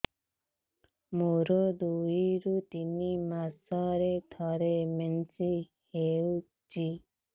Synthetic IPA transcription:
muɾɔd̪uiɾut̪inimasɔɾed̪ʱʰɔɾemensi | heu | t͡ʃʰi

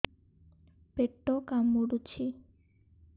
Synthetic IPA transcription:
peʈːokamːuɽut͡ɕʰi

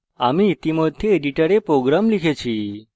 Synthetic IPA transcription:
amit̪imot̪ʰːieɖiʈəɾepɾoɡɾamlikʰet͡ʃʰi

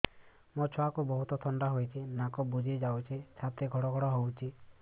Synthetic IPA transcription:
mɔt͡ʃʰɔakubɔɦut̪ɔt̪ʰɔɳɖaɦojt͡ʃʰinakɔbud͡ʒʱid͡ʒawt͡ʃʰit͡ʃʰat̪eɡʱɔɽɔɡʱɔɽɔɦowt͡ʃʰi

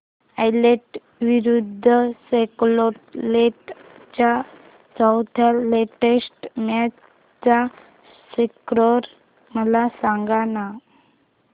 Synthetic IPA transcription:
ajleʈ | ʋiɾud̪ʱːəseklɔʈleʈt͡ɕa | sawt̪ʰaleʈesʈmja | t͡sa | sekɾɔɾ | məlasaŋɡana

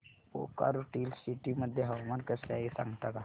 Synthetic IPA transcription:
o̰ka̰ɾuʈiːlsiʈiməd̪ʱːjeɦɐʋmankəsaisã̰ŋɡt̪aka

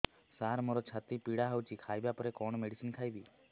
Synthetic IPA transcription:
saɾmoɾɔt͡ʃʰat̪ipiɽaɦawt͡ʃʰikʰajbapɔɾekɔɳ̃ɔmeɽisinkʰajbi

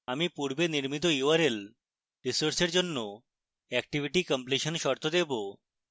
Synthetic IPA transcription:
amipuɾbeniɾmit̪̬ojuaɾel | ɖisoɾseɾd͡ʑonːo | ɛk̚ʈibʱiʈikɔmpliʃonʃɔɾt̪ʰod̪ebo

